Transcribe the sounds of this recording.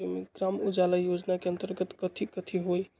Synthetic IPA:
emeɡɾamud͡ʒaləjod͡ʒnakeənt̪əɾɡət̪kət̪ʰikət̪ʰiɦoj

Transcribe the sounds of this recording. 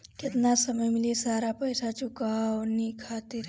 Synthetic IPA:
kɪt̪nasɐməjmɪlesaːɾapɐɪsat͡ʃʊkaɔnikʰaːt̪iɾ

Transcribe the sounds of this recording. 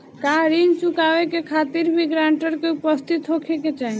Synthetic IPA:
kaɾint͡ʃukawekekʰat̪iɾbʱiɡɾaɳʈəɾkeupəst̪ʰit̪ɦokʰeket͡ʃaɦin

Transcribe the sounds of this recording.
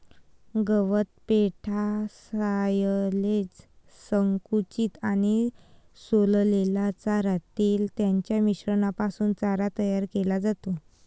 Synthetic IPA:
ɡəʋət̪̚peʈʰasajlet͡s | səŋkut͡ɕiːt̪añi | sollelat͡saɾat̪iːlt̪jaɲt͡ɕjamiɕɾəɳapasuːnt͡saɾat̪əjaɾkelad͡zat̪o

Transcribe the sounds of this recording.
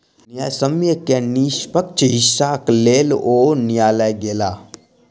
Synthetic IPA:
njasəmjəkeniːʃpək̚t͡ʃɦɪʃaːkleːloːnijaːləjɡeːlaː

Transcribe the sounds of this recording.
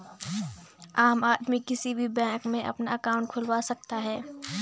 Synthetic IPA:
aːmaːd̪mikɪsibʱibɛ̃ːkmẽʔɐ̰pnaɐkaːʊ̃ɳʈ̚kʰʊlwasɐk̚t̪aɦɛː

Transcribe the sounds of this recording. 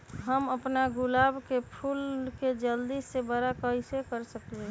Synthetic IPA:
ɦəməpnaɡʊlaːbkepʰulked͡ʒəld̪isːebəɾakəisekəɾsəkle

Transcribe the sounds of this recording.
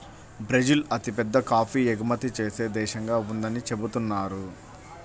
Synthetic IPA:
bɾed͡ʒilɐt̪ipɛd̪ːɐkaːpʰiːeɡumɐt̪it͡ʃeːse̞ːd̪ɛːʃɐŋɡaːund̪ɐnit͡ʃe̞but̪unːaːɾu

